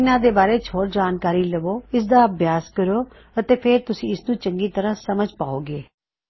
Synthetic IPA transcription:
ɪnãːd̪eːbaːɾeːt͡ʃʰoːʈd͡ʒaːnkaːɾiːləʋoːɪsd̪aːəbʱjaːskəɾoː | ət̪eːpʰeɾt̪ʊsĩːɪsnũːt͡ʃəŋɡiːt̪əɾãːsəməd͡ʒʱpaːoːɡeː

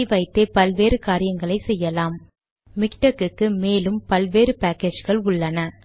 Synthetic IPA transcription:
ɪʋɐɪt̪ːeːpɐlʋeːɾɯkaːɾɪjɐŋɡɐɭɐɪsɛjːɐlaːmː | ɪkʈɐkɯkːɯmeːlɯmpɐlʋeːɾɯpaːkeːd͡ʒɣɐɭʊɭːɐnɐ

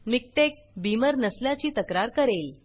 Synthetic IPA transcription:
mik̚ʈek̚biməɾnəsljat͡ɕiːt̪əkɾaɾkəɾel

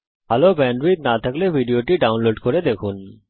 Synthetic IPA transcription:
alobɛ̃ːɳɖʋit̪̚nat̪ʰəkleʋʱiɖijoʈiɖaːʊnloːɖkɔɾed̪ekʰuːn

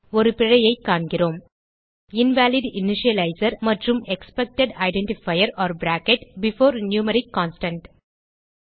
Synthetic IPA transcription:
ɔɾɯpɪɻɐjɐɪkːaːɳɡɪroːm | ɪnʋæːliɖɪnɪʃɪɐlɐɪsɐɾmɐʈrɯmɛkspɛk̚ʈɛɖɐɪɖɛɳʈɪfɐɪɐɾɔːɾbɾæːkɛʈbɪfoːɾnjuːmɐɾɪkːɔ̃ːnsʈɐ̃ɳʈ

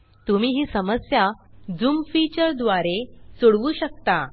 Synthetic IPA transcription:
t̪umiːɦiːsəməsjad͡zumfit͡ɕəɾd̪ʋaɾesuɽʋuːɕək̚t̪a

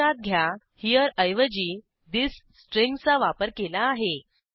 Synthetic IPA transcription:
at̪̚ɡʱja | hijəɾəjʋəd͡ʑiː | d̪issːʈɾeŋɡt͡saʋapəɾkelaːɦe

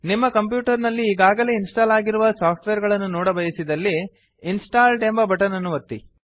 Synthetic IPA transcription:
nimːɐkɐmp̬juːʈɐɾnɐlːiːɡaːɡɐle̞ːinsʈaːlaːɡiɾuʋɐsaːp̚ʰʈʋeːɾɡɐɭɐnːunɔːɽɐbɐjɐsid̪ɐlːiː | nsʈaːlʈembɐbɐʈɐnɐnːuʋɐt̪ːḭ

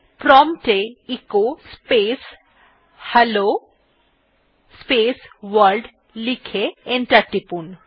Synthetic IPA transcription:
pɾɔmʈeikospeːs | hɐlo | speːsʋɐɾɖ | likʰeenʈɐʈːipun

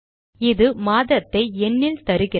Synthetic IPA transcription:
ɪðɯmaːðɐt̪ːɐɪɛnːɪlt̪ɐɾɯɣɪ

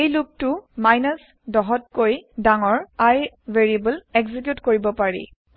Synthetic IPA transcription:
ejluk̚tʊmajnɔs | dɔɦɔtkojdaŋɔɹaj | veɹiebəlɛɡzik̬jutkoɹibɔpaɹḭ

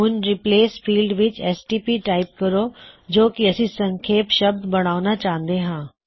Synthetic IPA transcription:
ɦʊnɾɪpleːsfiːlɖʋɪt͡ɕɛːsʈiːpiːʈaːɪp̚kɐɾod͡ʑoːkiɐsĩsɐ̃ŋkʰeːpʃɐb̚d̪bɐɽ̃aːʊnat͡ɕaːɦə̃nd̪eɦãː

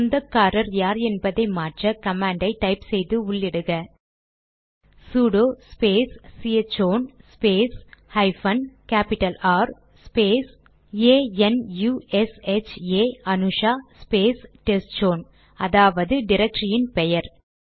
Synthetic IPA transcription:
nd̪ɐkːaːɾɐɾjaːɾɛnbɐðɐɪmaːʈrɐkɐmaːɳɖɐɪʈːɐɪpsɛjðɯʊɭːɪɽɯɣɐ | suːɽoːspeːsːit͡ʃoːnspeːshɐɪfɐnkaːpɪʈɐlaːɾ | speːs | eːɛnjuːɛset͡ʃeːɐnɯʂaːspeːsʈɛsʈd͡ʒoːn | ɐðaːʋɐðɯɖɪɾɐk̚ʈɾɪjɪnpɛjɐɾ

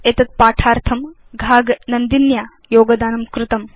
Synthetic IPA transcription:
et̪ɐt̪̚paːʈʰaːɾt̪ʰɐm | ɡʱaːɡnɐnd̪injaː | joːɡɐd̪aːnɐmkɾut̪ɐm

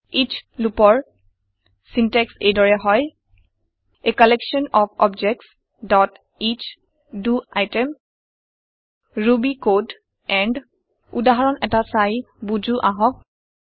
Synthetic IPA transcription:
it͡ʃʰlupɔɹ | sintɛksejdɔɹɛɦɔj | ekɔleksɔnɔpʰɔbd͡ʒɛk̚ts | dɔt | it͡ʃʰ | duajtɛm | ɹubikod | ɛɳɖ | udaɦaɹɔnɛtasaj | bud͡ʒuʔaɦɔ̃k̚

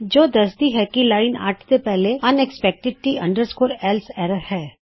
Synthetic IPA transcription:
d͡ʒoːd̪ɐsd̪iɦɛkilaːɪna̰ːʈʰt̪epɛɦleɐnɛkspɛk̚ʈɪɖ̚ʈiɐ̃ɳɖəɾskoːɾɛːlsɛːɾəɾhɛː

